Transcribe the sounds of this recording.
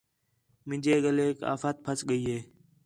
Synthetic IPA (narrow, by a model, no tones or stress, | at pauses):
mɪ̃d͡ʒeːɠəleːka̰ːfət̪̚pʰəsɠəiːɦeː